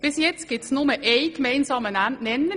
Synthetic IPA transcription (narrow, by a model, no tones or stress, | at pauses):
ʋɪsjɛt̪sɡ̥ɪt̪snʊməʔeɪkmeɪnsɑmənæɛnːə